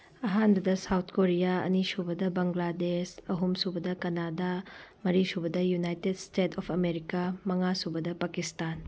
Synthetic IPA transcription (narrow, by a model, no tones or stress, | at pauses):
ɐɦanbɐdɐsawt̪ʰkoɾijaɐ̰nisubɐdɐbɐŋɡladesɐɦumsubɐdɐkɐnadamɐɾisubɐdɐjunajtedstetʰɔpʰɐmeɾikamɐŋasubɐdɐpakistan